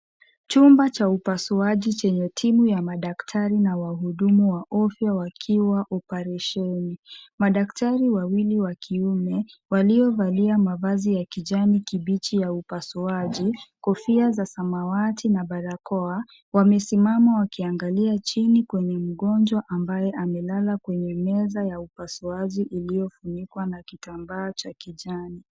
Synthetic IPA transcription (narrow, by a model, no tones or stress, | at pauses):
t͡ʃumbat͡ʃaupasuaʄit͡ʃɛɲɛtʰimujamaɗaktʰaɾinawaɦuɗumuwaʔɔfjawakʰiwaʔɔpɛɾɛʃɛnimaɗaktaɾiwawiliwakʰiumɛwaliɔvaliamavazijakiʄanikiɓit͡ʃijaupasuaʄikɔfiazasamawatinaɓaɾakɔa | wamɛsimamawakiaŋɡaliat͡ʃinikwɛɲɛm̩ɠɔnd͡ʒwaʔambajɛʔamɛlalakwɛɲɛmɛzajaupasuaʄiʔilijɔfunikwanakitambaːt͡ʃakiʄani